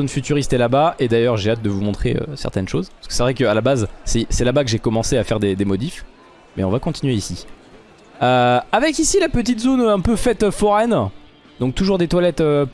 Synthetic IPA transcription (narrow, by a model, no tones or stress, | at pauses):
onfyt̪yʁist̪ɛlabaʔed̪ajœʁʒeat̪̚d̪əvumɔ̃t̪χḛø̰sɛ̰ʁt̪ɛnʃozpaskə̥sɛvʁɛkəalabazsɛsɛlabakəʒekɔmɑ̃seafɛʁd̪ed̪emɔd̪if | mɛɔ̃vakɔ̃t̪inɥeisi | øavɛkisilapət̪̬it̪zonɛ̃pøfɛt̪øfɔʁɛn | d̪ɔ̃k̚t̪uʒuʁd̪et̪walɛt̪ø